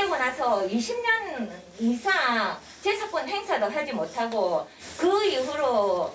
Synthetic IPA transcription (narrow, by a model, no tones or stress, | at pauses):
emunasʰʌiɕʰimɲʌn | isʰa | t͡ɕesʰʌp͈unɦe̞ŋsʰadosʰad͡ʑimotʰaɡo | kɯiɦuɾo